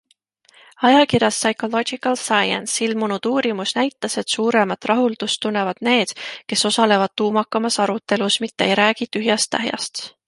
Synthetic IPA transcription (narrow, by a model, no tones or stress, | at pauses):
ɑjɑkirjɑsːɑjko̞lo̞d͡ʒikɑlsɑjɑ̰nsilmunud̪̥uːɾimusnæjt̪ːˑɑse̞t̪suːɾe̞mɑt̪ːˑrɑɦuld̪ust̪ːunːe̞vɑd̪̥ne̞ːd̪̥ke̞so̞sɑle̞vɑd̪̥̚t̪uːmɑkːˑɑmɑsɑɾut̪ːˑe̞lusmit̪ːeḛjɾæːɡ̥it̪yɦjɑst̪ːæ̰ɦjɑ̰st̪